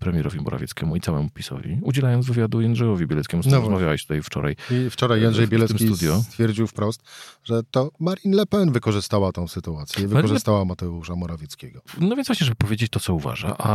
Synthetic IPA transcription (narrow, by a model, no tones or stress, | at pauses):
pɾɛmʲjɛɾɔvʲimɔ̰ɾa̰vʲjɛt̪skʲɛmuit̪sawɛmupʲisɔ̰vʲḭud͡ʑɛlajɔnzvɨvʲjad̪ujɛnʐɛjɔvʲibʲjɛlɛt̪kʲɛmunɔvɾzzmavjawɛ̰ɕt̪ut̪ajft͡ʂɔ̰ɾa̰jift͡ʂɔɾajanʐɛjbʲjɛlɛt̪msʲk̪it̪utd̪jɔt̪fʲjɛɾd͡ʑiwfpɾɔst̪ʐɛt̪ɔmaɾʲinlɛpɛnvɘkɔʐɘst̪awat̪ɔ̃w̃sɘt̪uat̪sʲjɛvɨkɔʐɨst̪awamat̪ɛuʂamɔɾavʲjɛt̪skʲeɡɔnɔvʲjnvwaɕɲɛʐɛbɘɨpɔvʲjed͡ʑet͡ɕt̪ɔt̪sɔuva̰ʐa̰ʔa